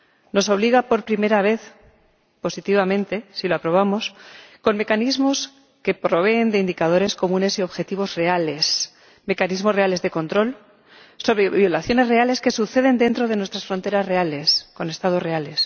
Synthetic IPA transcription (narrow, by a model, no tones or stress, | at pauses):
no̞so̞β̞liɣapo̞ɾpɾime̞ɾaβ̞e̞θ | po̞sit̪iβamẽ̞nt̪e̞siloapɾo̞β̞amo̞sko̞nme̞kanizmo̞s | ke̞pɾo̞βe̞ːnd̪eind̪ikað̞o̞ɾe̞sko̞mũne̞sio̞βxe̞t̪iβ̞o̞zre̞ale̞s | me̞kanizmore̞ale̞zðe̞ko̞nt̪ɾo̞l | so̞βɾe̞βjo̞laθjo̞ne̞zre̞ale̞ske̞suθe̞ð̞e̞nd̪e̞nt̪ɾo̞ð̞e̞nwe̞st̪ɾasfɾo̞nt̪e̞ɾazre̞ale̞sko̞ne̞st̪aðo̞zre̞ale̞s